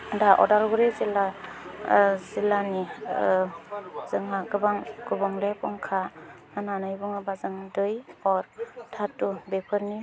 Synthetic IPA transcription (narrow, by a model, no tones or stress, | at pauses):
daʔɔ̰dalɡuɾezila | zilani | z̥ɯŋɦaɡɯbaŋɡɯbɔŋlepɔŋkʰa | ananɯjbɔŋɯbazɯŋdɯjɔɾtʰatːubepʰɯɾni